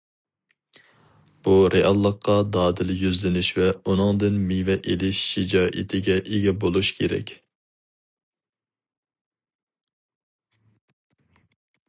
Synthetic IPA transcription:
b̥uɾʔeʔɑlˠːəqʰːɑd̪ɑːd̪ɪljyzlɪnɪʃvɛunɨŋd̪ɪnmivɛʔelɪʃːɪd͡ʒɑːʔɪ̰t̪ʰɪɡʲɛʔeɡʲɛbolˠuʃkʲʰeɾɛ̰kʲ

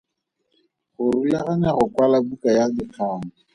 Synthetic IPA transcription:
χʊrulaɣanaχʊkwalabukajadɪq͡χʰaːŋ̩

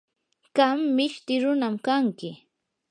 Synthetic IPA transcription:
ɢ̥amːɪʃt̪ɪɾʊnamkaŋkɪ

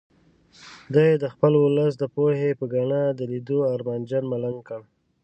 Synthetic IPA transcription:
d̪ajed̪əxpəlʊləs̬d̪əpohepəɡaɳad̪əlid̪oaɾmand͡ʒanmalaŋkəɽ

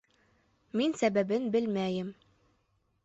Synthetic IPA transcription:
minsæbæbɘnbɘlmæjɘm

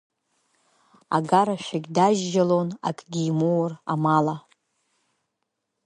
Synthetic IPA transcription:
a̰ɡaɾaʃʷᶣaɡʲdaʒːalona̰kʼɡʲiːmowramala

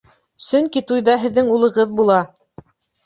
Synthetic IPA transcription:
sɵŋkit̪ujðɑɦɘ̆ðːɘŋulˠɤ̆ʁɤðbulˠɑ

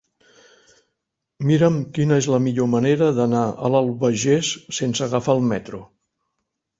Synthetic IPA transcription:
miɾəmkinəezləmiʎoməneɾəðənaə̰ləlˠβəʒesːensəɣəfaːlˠmɛt̪ɾu

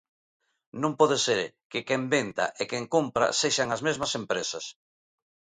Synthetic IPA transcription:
nõmpɔðeseɾkekembent̪a̰ʔekeŋkumpɾa̰seʃaŋazmezmɐsempɾesas

